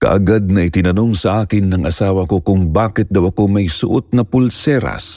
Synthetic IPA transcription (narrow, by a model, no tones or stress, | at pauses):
kɐ̰ʔɐɡad̪̚nɐʔɪt̪ɪnɐno̞ŋsɐʔaːkɪnːɐŋʔɐsaːwɐko̞kʊŋbaːkɪt̪̚d̪ɐwɐko̞mɐjsʊʔot̪̚nɐpʊlsɛːɾɐ̰s